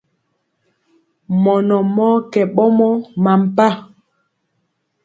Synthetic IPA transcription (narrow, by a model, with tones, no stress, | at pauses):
mɔ˨nɔ˨mɔ˦kɛ˨ɓɔ˦mɔ˦ma˨m̩˨pa˦˨